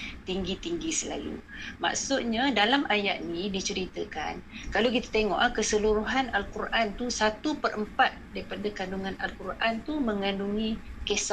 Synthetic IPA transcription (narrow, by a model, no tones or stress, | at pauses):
t̪iŋɡit̪iŋɡisəla̰lṵma̰ʔsuʔ̪ɲadalamʔaja̰ʔnĩdit͡ʃəɾit̪əka̰nkalak̬it̪ḁt̪eŋɔ̰ʔakəsəluɾuɦanalkurʔant̪usat̪upərʔəmpat̪̚daɾipadakanduŋãnalkurʔant̪umə̃ŋanduŋikesa